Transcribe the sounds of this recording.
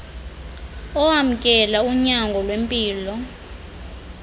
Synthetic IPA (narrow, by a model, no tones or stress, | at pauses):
ɔham̩kʼɛlauɲaŋɡʱɔlwempʼiːlɔ